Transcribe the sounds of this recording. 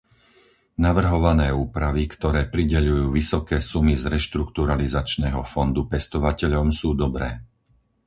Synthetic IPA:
naʋr̩ɦɔʋanɛːuːpɾaʋikt̪ɔɾɛːpɾiɟɛʎujuːʋisɔkɛːsumizɾɛʃt̪ɾukt̪uɾalizat͡ʃnɛːɦɔfɔnd̪upɛst̪ɔʋacɛʎɔmsuːd̪ɔbɾɛː

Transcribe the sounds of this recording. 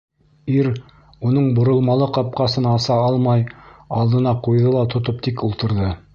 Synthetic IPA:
iɾ | unɤɴbŏɾɤ̆lˠmɑlˠɤqɑp̚qɑsɤnɑsɑɑlˠmɑjɑlˠd̪ɤ̆nɑqujðɤlˠɑt̪ŏt̪op̚t̪ikulˠt̪ɤ̆ɾðɤ

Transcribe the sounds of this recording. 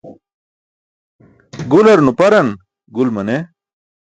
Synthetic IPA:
ɡulɐɾnupɐɾɐn | ɡulmɐne

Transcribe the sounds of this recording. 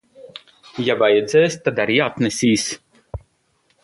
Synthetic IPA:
jabajɛd̪zɛːst̪ad̪aɾijat̪nɛsʲiːs

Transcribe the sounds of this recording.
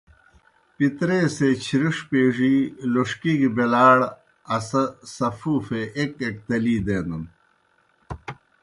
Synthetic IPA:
pit̪ɾeːset͡ɕʰiɾiʂpeːʐiːloʂkiːɡibelaːɽ | ɐsɐsɐfuːfeʔekek̚t̪ɐliːd̪eːnun

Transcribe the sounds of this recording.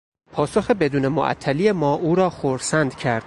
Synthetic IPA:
pʰɒːsoxebe̞d̪uːne̞mo̰ʔæ̰t̪ʰːælijemɒːʔuːɾɒːxoɾsænd̪̥cʰæɾd̪̥

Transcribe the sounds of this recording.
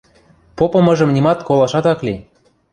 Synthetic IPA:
popɤ̆mɤʒɤ̆mnʲimɑt̪kolɑʃɑt̪ɑkli

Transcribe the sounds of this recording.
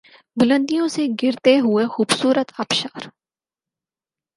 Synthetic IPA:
bʊlə̃nd̪ijõseɡɪɾt̪eɦʊexuːbsuːɾət̪ʰaːpʃaːɾ

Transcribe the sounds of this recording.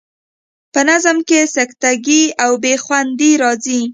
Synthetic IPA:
pənazəmkesakt̪aɡiawbexwand̪iɾɑzi

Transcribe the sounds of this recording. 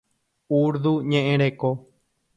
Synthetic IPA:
uɾd̪uɲẽʔẽɾeko

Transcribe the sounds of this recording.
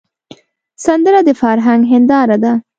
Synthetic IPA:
sand̪əɾad̪əfɑɾɦaŋɡɦɪnd̪ɑɾad̪a

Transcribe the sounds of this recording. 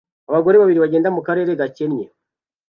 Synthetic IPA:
aβaɡo̞ɾe̞βaβiɾiβaɟe̞ːndamukaɾe̞ːɾeɡacenɲe

